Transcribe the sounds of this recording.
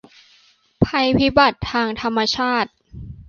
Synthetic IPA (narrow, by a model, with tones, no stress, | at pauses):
pʰa˧jpʰi˦˥ba˨˩t̪ʰːaː˧ŋt̪ʰa˧mːa˧t͡ɕʰaː˥˩t̪̚